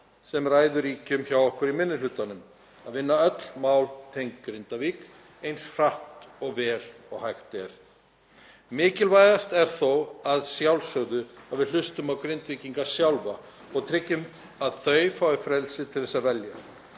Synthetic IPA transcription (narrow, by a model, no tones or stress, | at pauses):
sɛmraːjðʏɾiːcʏmçawɔhkʏɾimɪnːɪlʏt̪anʏm | aðvɪnːaœt̪l̥mawlt̪ʰejŋkːɾɪnt̪aviːk | ejnshr̥aht̪ɔɣvɛːlɔɣhajxt̪ɛɾ̥ | mɪːcɪlvajðast̪ɛɾ̥θowaðsjawlsœɣðʏaðvɪðl̥ʏst̪ʏmawkɾɪnt̪viːciŋkasjawlva | ɔɣt̪ʰɾɪcːʏm | aðθœːɥfaʏfɾɛlsɪt̪ʰɪlθɛsːavɛlja